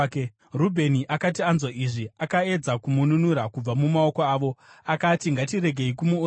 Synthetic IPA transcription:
rubʱe̞niʔakat̬ianzwaʔiʐiakae̞d͡zakumununuɾakub͡vamumao̞koaːʋo̞akatiŋɡatiɾe̞ɡʱe̞ikumu

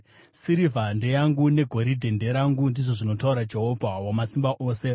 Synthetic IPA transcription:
siɾivʱande̞jaŋɡune̞ɡʱo̞ɾidʱe̞nde̞ɾaŋɡundiʐo̞ʐino̞tauɾad͡ʒeɦo̞bʱawamasimbaʔo̞ːse̞

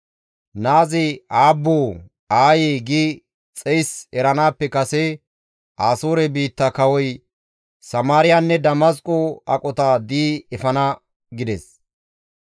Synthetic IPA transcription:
naːzɪaːbːoː | aːjeːɡi | t͡sʼɛjsɛɾɐnaːpːɛkɐsɛ | ʔaːsoːɾɛbiːt̪ːɐkɐwɔj | sɐmaːɾɪjanːɛd̪ɐmɐskʼoɐ̰kʼɔt̪ad̪iːɛfɐnɐ | ɡɪd̪ɛs

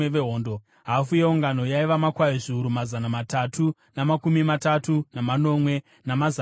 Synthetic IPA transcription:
eeɦoːndo | ɦafujeuŋɡano̞jaiʋamakwaiʐiuɾumazanamatatu | namakumimatatunamano̞mwe̞ | namaza

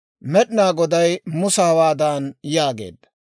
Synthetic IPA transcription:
mɛɗɪnaːɡɔd̪ɐjmʊsɐhɐwaːd̪aːnjaːɡe̞̰ːd̪ːɐ̥

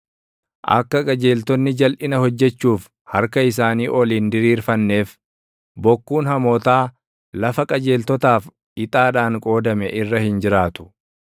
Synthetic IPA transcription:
ʔɐ̰kːɐkʼɐd͡ʒe̞ːlt̪ɔnːɪd͡ʒɐlʔɪnɐhɔd͡ʒːɛt͡ʃːuːf | hɐɾkɐɪs̬aːniːʔɔliːnd̪ɪɾiːɾfɐnːe̞ːf | bɔkːuːnhɐmoːt̪aː | lɐfɐkʼɐd͡ʒe̞ːlt̪ɔt̪aːf | ɪt̪ʼaːᶑaːŋkʼo̞ːd̪ɐmɛʔɪrːɐhɪnd͡ʒɪɾaːt̪ʊ̥

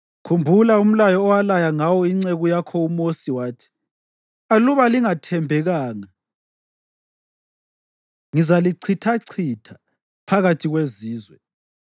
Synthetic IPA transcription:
kʰumbʱulaum̩lajɔːwalajaŋawɔiŋ͡ǀeɣujakʰɔumosiwaːtʰi̥ | aluβaliŋatʰɛmbʱɛɣaːŋa | ŋizaliǀʰitʰaǀʰitʰḁ | pʰaɣatʰiɣweziːzwɛ

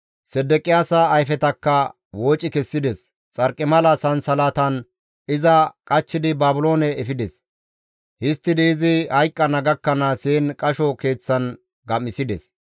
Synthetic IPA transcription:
sɛd̪ːɛkʼɪjaːsɐːjfɛt̪ɐkːɐ | woːt͡ʃʼɪkɛsːɪd̪ɛs | t͡sʼɐɾkʼːɪmɐlɐsɐnsɐlaːt̪ɐn | ɪzɐkʼɐt͡ʃːɪd̪ɪbaːbʊlo̞ːnɛːfɪd̪ɛs | hɪst̪ːɪd̪ɪːzɪhɐjkʼːɐnɐɡɐkːɐnaseːnkʼɐʃɔke̞ːt͡sːɐn | ɡɐmːɪsɪd̪ɛ̰s

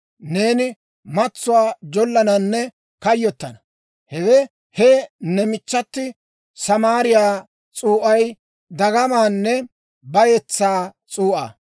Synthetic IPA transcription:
ne̞ːnɪ | mɐt͡sːʊwaːd͡ʒɔlːɐnɐnːɛ | kɐjːɔt̪ːɐnɐ | hɛwɛ | hɛnɛmɪt͡ʃːɐt̪ːɪ | sɐmaːɾɪjaː | t͡sʼuːʔɐj | d̪ɐɡɐmaːnːɛ | bɐjɛt͡sːaːt͡sʼuːʔa̰ː

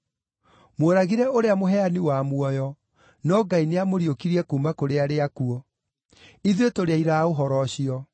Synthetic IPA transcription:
mwoɾaɣiɾɛoɾeamoɦɛaniwamwɔjɔ | nɔɡaineamoɾiokiɾiɛkuːmakoɾeaɾeakuɔ | iðiotoɾeaiɾaoɦɔɾɔɕiɔ

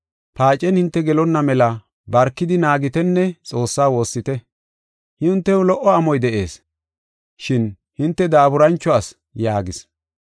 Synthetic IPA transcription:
paːt͡ʃʼːɛnhɪnt̪ːɛɡɛlɔnːɐmɛlɐ | bɐɾkːɪd̪ɪnaːɡɪt̪ɛnːɛt͡sʼo̞ːsːaːwo̞ːsːɪt̪ɛ | hɪʊnt̪ːɛʊlɔʔːɔɐmɔjd̪ɛʔe̞̰ːs | ʃɪn | hɪnt̪ːɛd̪aːbʊɾɐnt͡ʃːɔas | jaːɡɪs

